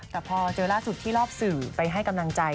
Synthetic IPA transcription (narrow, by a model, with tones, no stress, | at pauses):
t̪ɛː˨˩pʰɔː˧t͡ɕɤː˧laː˥˩su˨˩t̪ʰːiː˥˩lɔː˥˩p̚sɯː˨˩pa˧jɦa˥˩jka˧mla˧ŋt͡ɕa˧j